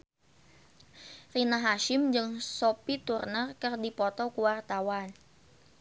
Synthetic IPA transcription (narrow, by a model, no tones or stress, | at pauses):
rinaɦaʃɪmd͡ʒɨŋsopit̪urnərkɨrdipɔt̪ɔkuwart̪awan